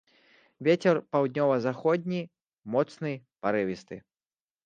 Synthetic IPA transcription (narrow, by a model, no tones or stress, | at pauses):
vʲet͡sʲɛrpawd̪ʲnʲɔvɐzaxɔd̪ʲnʲi | mɔt̪snɨpaɾɨvʲist̪ɨ̰